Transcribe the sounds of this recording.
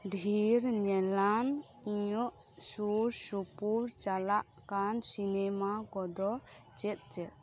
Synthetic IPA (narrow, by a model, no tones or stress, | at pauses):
ɖʱiɾɲɛlan | iɔʔ | suɾsupuɾt͡ʃalaʔkansinɛmakɔd̪ɔ | t͡ʃɛt̪̚t͡ʃɛt̪̚